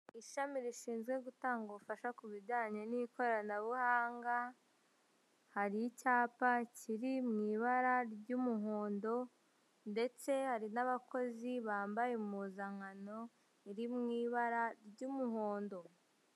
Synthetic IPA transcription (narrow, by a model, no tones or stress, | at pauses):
iʃamiɾiʃiːnzɡwe̞ɡutaːŋɡofaʃakuβiɟaːɲanikʰo̞ɾanaβuhaːŋɡa | haɾicaːpaciɾimŋiːβaɾaɾɟumuɦo̞ːndo̞ | nde̞t͡se̞haɾinaβako̞ziβaːmbajemuzaŋano̞ | iɾimŋiːβaɾaɾɟumuɦo̞ːndo̞